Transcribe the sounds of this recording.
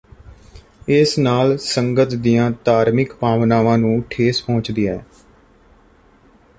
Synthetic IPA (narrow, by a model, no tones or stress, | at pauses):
ɪsnaːlsəŋɡət̪d̪ijãːt̪aːɾmɪkpaːʋnaːʋãːnũːʈʰeːspõːt͡ʃd̪iːaɛː